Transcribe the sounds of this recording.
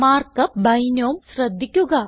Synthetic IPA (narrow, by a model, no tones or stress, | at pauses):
maːrkɐbɐjnoːmɕrɐd̪ʱːikʲːuɣɐ